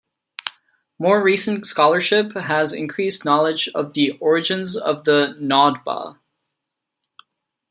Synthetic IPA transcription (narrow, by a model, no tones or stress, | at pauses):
mɔɹɹisnskɑlˠə˞ʃɪpɦəzɪ̰̃nkʰɹ̥isnɑlˠəd͡ʒʌ̰vðiʔɔɹɨd͡ʒɨ̃nzʌ̰vðənɑd̚bə̰